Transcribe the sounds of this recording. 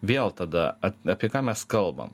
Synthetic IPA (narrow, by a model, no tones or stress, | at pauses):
ʋʲeɛlˠt̪ɐd̪ɐɐtɑːpʲiɛkɑːmʲɛskɐlˠbɐ̰m